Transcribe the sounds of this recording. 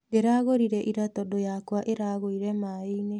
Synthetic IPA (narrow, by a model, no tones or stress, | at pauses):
ɡeɾaɣoɾiɾeʔiɾatodojakoaʔeɾaːɣoiɾemaːejne